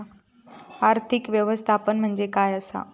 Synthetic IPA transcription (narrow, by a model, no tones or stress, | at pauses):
aɾt̪ʰikʋjəʋəst̪ʰapənm̤əɳd͡zekajəsa̰